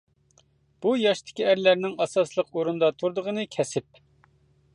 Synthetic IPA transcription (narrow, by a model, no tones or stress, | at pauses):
b̥ujɑʃt̪ʰɪ̥kʲiæɾlæɾnɪŋɑsɑslˠəqoɾund̪ɑt̪ʰuɾd̪əʁənɨkʲʰɛsɪp̚